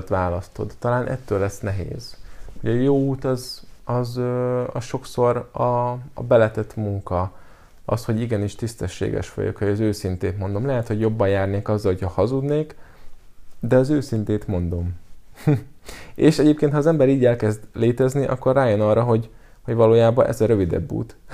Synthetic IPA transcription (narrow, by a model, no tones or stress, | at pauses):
t̪ʋaːlɒst̪o̞̰d̪ːɒlaːnʔɛ̰t̪ːøːlːɛsnɛɦḛːzhoɟɒjoːuːt̪ɒzɒzøɒsʃo̞kso̞ɾɒ̰ːbɛlɛt̪ɛt̪muŋkɒ | ɒ̰sho̞ɟiɡɛniʃt̪ist̪ɛʃːḛːɡɛ̰ʃʋɒ̰jo̰khojɒzøːsint̪eːt̪mo̞nd̪o̞mlɛɦɛt̪ho̞ɟjo̞bːɒjaːrneːkɒzːɒlhocʰhɒhɒzud̪neːk | d̪ɛɒzøːsint̪eːt̪mo̞nd̪o̞m | eːʃɛɟeːp̚keːnt̪hɒːzɛmbɛɾiːɟɛlkɛzd̪leːt̪ɛzniʔɒ̰kːo̞rːaːjo̞nɒrːɒɦo̞ɟ | ho̞ɟvɒloːjaːbɒnʔɛ̰zɒɾøvid̪ɛ̰bːṵːt̪